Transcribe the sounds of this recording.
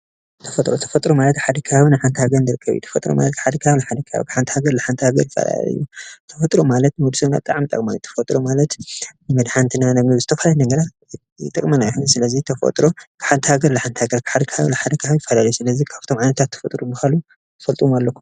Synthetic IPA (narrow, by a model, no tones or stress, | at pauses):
t̪ʰɐfɐt̪ʼɾo̞t̪ʰɐ̥fɐt̪ʼɾomalɐt̪ħad̪ɐkʰaβaβɨnɨħant̪ʰhaɡɐɾɨnɨɾɨkʰːɐβ̰jṵt̪ʰɐ̥fɐt̪ʼɾoma̰lɐt̪̚kħad̪ɐkʰβaβlaħad̪ɐkʰa̰βkʰħant̪ʰi̥haɡɐɾlɨħant̪ʰhaɡɐɾjɪfːɐ̰la̰lɐ̰jut̪ʰɐfɐt̪ʼɾomalɐt̪̚nud̪usɨmna̰bɨt̪ʼaʕmit̪ʼɐ̰kʼmajut̪ʰɐ̥fɐt̪ʼɾomalɐt̪ɨmɐd̪ħant̪ʰɨnanɐɡnizɨt̪ʰɐfalalnɐɡɐɾa | ɨt̪ʼɐkʼmɐnajħusɨlɐzit̪ʰɐfɐ̰t̪ʼɾo̞kʰɨ̥ħant̪ʰhaɡɐɾlɨħant̪ʰhaɡɐɾkʰɨ̥ħad̪ɐkʰhaβlɨħad̪ɐkʰaβjɪfːɐlalɐjusɨlɐzikʰaβ̥t̪ʰo̞mʕajnɐt̪ʰat̪ʰːɐ̥fɐt̪ʼɾubɨxalu | t̪ʰɨfɐlt̪ʼuwmalːɐkʰːu